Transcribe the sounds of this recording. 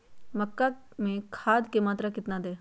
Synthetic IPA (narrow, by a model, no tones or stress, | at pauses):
mɐkːa | mẽkʰaːd̪kemaːt̪ɾakɪt̪nad̪eː